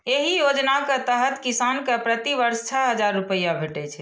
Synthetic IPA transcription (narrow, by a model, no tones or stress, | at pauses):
eɦijod͡ʒnaket̪əɦət̪kisankepɾət̪iʋəɾst͡ʃʰəɦəd͡ʒaɾːupəjabʱeʈɛt͡ʃʰɛ